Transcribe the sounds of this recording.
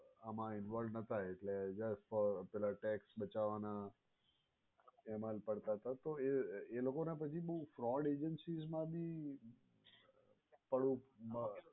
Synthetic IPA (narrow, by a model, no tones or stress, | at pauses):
amãɪnʋɔlɖnət̪ʰajeʈled͡ʒəsʈfɔpɛlaʈɛksbət͡ʃaʋana | emalpəɽt̪aɦət̪at̪oeelokonepət͡ʃʰibəɦufɾɔɖed͡ʒənsizmãbʱi | pəɽũə